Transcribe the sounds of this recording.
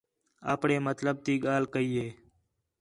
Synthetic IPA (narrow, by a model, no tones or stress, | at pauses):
a̰ːpɳeːmət̪ləb̚t̪iːɠaːlkəiːeː